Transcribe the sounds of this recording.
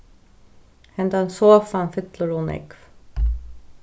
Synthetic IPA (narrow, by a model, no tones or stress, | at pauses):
hɛnd̪ansoːfanfɪt̪ləɾunɛ̰kf